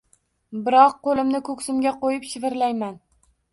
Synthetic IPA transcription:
bɪɾɒqqolˠɪmnɪkʰɵkʲsɪmɡʲaqojɪpʃɪvɪɾlajman

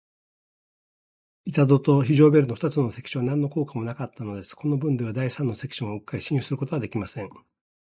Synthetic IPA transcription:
it̪ad̪o̞t̪o̞çiʑo̞ːbe̞ɾɯ̟noɸt̪at͡sɨno̞sekʲi̥ɕɨβanãnːo̞ko̞ːkamo̞nakat̪ːano̞d̪e̞sɨ̥ko̞no̞bɯ̟̃nd̪eβ̞ad̪aisãnːo̞se̞kʲi̥ɕõoɯ̟kːaɾʲiɕĩjɯ̟sɨɾɯ̟kot̪o̞βad̪ekʲimasẽŋ

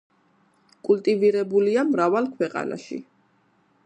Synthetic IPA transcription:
kʼult̪ʼiviɾɛbuliamɾavalˠkʰwɛqʼa̰na̰ʃḭ

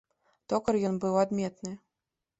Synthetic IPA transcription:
t̪ɔkɤrjɔnbɨwad̪mʲɛt̪nɨ

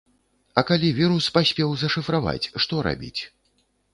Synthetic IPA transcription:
ɐkalʲivʲiɾuspasʲpʲɛwzɐʂɨfɾava̰t͡sʲʂt̪ɔɾa̰bʲḭt͡sʲ

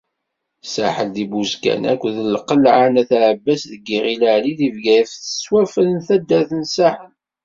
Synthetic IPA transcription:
saħəld̪ibuzkæ̰næ̰kʷðəlqəlʕanæθaʕəbːæsðəɡirilaʕliðivɡæjfθə̥swæfələnθæd̪ːæθənsaħən

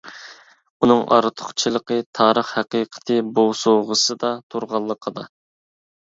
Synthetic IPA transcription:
unɨŋʔɑ̰ɾɨt̪ʰʊ̥χt͡ʃʰilˠəqət̪ʰɑːɾəχhæqiqʰə̥t̪ʰɨbosoʁəsɨd̪ɑt̪ʰoɾʁɑlˠːəqʰəd̪ɑ

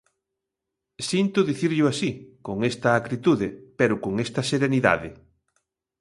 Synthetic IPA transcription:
sint̪ʊðiθiɾʎʊasikoŋest̪ɐːkɾit̪uðepeɾʊkoŋest̪ɐseɾeniða̰ðɪ

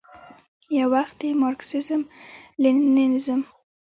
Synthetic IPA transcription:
jawaxt̪̚d̪emɑɾksɪzəmlinninzəm

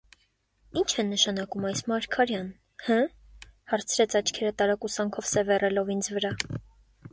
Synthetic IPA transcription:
int͡ʃʰɛnːəʃɑnɑkumɑjsmɑɾkʰɑɾjɑn | hə | hɑɾt͡sʰɾɛt͡sʰɑt͡ʃʰkʰɛɾət̪ɑɾɑkusɑŋkʰɔvsɛvɛrɛlɔvind͡zvəɾɑ

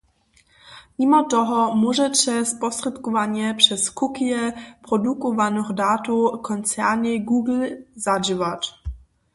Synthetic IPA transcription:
mimɔt̪ɔɦɔmuʒɛʂɛspɔst̪rɛt̪kɔvaɲjɛpʂɛskukijɛpɾɔdukɔvanɔxdaːt̪ukɔnt͡sɛɾɲɪɡuːɡl̩zad͡ʒivat

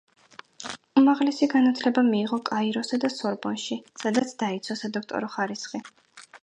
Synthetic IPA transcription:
umaʁlɛsiɡanat̪ʰlɛbamiːʁɔkʼaiɾɔsad̪asɔɾbɔnʃisad̪at̪sʰd̪ait̪sʰɔsad̪ɔk̚ʰt̪ʼɔ̰ɾɔχaɾisχi

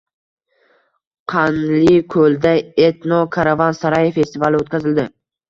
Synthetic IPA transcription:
qʰɑnlɪkʰɵld̪aet̪nɒkʰaɾavansaɾajefe̞st̪ɪvalˠɪot̪kʲʰazɪld̪ɪ

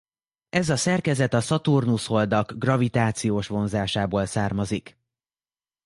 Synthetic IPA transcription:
ʔɛzɒsɛrkɛzɛt̪ɒsɒt̪urnusho̞ld̪ɒɡɡrɒvit̪aːt̪sijoːʃʋo̞nzaːʃaːboːlsaːrmɒzik

